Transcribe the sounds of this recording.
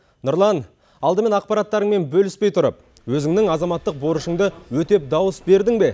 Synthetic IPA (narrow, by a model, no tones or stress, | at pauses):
nʊɾlˠɑn | ɑlˠd̪əme̞nɑq̚pɑɾɑt̪ːɑɾəɴme̞nbɵlɪspe̞jt̪ʰʊɾə̰p̚ | wɵzɪŋnɪŋɑzɑmɑt̪ːəq̚boɾəʃəɴd̪əwɵt̪e̞p̚d̪ɑwəsbe̞ɾd̪ɪŋbe̞